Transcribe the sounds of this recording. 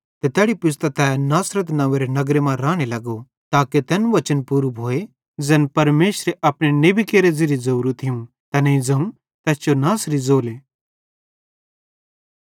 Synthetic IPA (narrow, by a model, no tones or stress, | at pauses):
t̪et̪ɛːɽipɪs̬t̪at̪ɛːnaːsɾət̪nɐʋeɾenɐɡɾemãɾaːɽ̃elɐɡo | t̪aːket̪ɛːnʋɐt͡ʃənpuːɾbʱoːe | d͡zɛːnpɐɾmeːʃɾeʔɐpɽ̃enebʱikeːɾeziɾizɐuɾut̪ʰɪjũ | t̪ɛnɐĩd͡zɐũ | t̪ɛːst͡ʃonaːsɾizoːleː